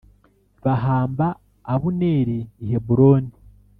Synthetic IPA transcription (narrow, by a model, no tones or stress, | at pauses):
βaɦaːmbaː | βuneːɾiːhebuɾo̞ːni